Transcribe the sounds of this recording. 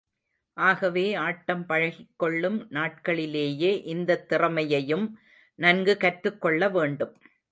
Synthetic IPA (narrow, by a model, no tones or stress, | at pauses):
ʔaːɣɐʋeːaːʈːɐmpɐɻɐɣɪkːɔɭːɯmnaːʈ̚kɐɭɪleːjeːʔɪnd̪ɐt̪ːɪrɐmɐjɐjɯm | nɐnɡɯkɐʈɾɯkːɔɭːɐʋeːɳɖɯm